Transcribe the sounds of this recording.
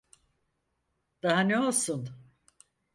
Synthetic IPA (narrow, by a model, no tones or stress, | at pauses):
d̪̥aɦaneolˠsun